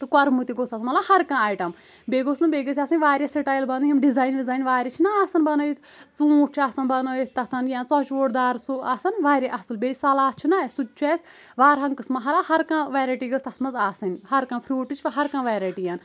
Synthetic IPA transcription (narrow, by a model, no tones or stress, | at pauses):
t̪ɨkɐɾmut̪iɡosɐsʰmɐlahɐɾkãːaːjʈɐm | beːɡoːsɨnbʲeːɡɐs̬ʲasɐnʲʋaːɾʲɐsiʈaːjlbɐnɨɦimɖizaːjnʋizaːjnʋaːɾʲit͡ʃʰinaaːsɐnbɐnɐjit̪ | t͡sũːʈ̚t͡ʃʰasɐnbɐnoit̪ɐt̪ʰɐnjãːt͡sɔt͡ʃoːʈd̪aːɾsuasɐnʋaːɾʲiʔɐsɨlbʲeːsɐlaːt͡ʃʰunasut͡ʃʰuɛːsʲ | ʋaːɾɦɐŋkɨsmɐɦɐlaːhɐɾkãːʋaːɾɐʈiːɡɐst̪ɐt̪ʰmɐzaːsɐnʲhɐɾkãːpʰɾʲuːʈɨt͡ʃʰpɐɦɐɾkãːʋaːɾɐʈijaːn